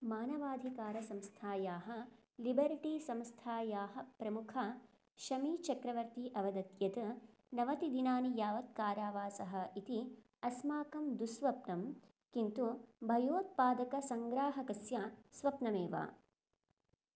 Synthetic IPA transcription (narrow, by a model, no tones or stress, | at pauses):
maːnɐʋaːd̪ʱikaːɾɐsɐ̃mst̪ʰaːjaːɦɐ | libɐɾʈisɐmst̪ʰaːjaːɦɐpɾɐmukʰɐ | ʃɐmiːt͡ʃɐkɾɐʋɐɾt̪iʔɐʋɐd̪ɐt̪jɐt̪ɨ | nɐʋɐt̪id̪inaːnijaːʋɐt̪̚kaːɾaːʋaːsɐɦɐ̆it̪i | ɐsmaːkɐmd̪usʋɐpnɐm | kint̪ubʱɐjoːt̪̚paːd̪ɐkɐsɐŋɡɾaːɦɐkɐsjasʋɐpnɐmeːʋa̰ː